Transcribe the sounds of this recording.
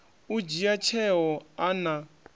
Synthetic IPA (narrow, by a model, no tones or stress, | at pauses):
ud͡ʒijat͡ʃʰɛɦɔana